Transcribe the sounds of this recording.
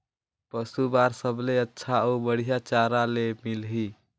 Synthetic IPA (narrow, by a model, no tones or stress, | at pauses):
pəsubaɾsəbleətːʃʰaubəɽ̤ijat͡ʃaɾalemilɦi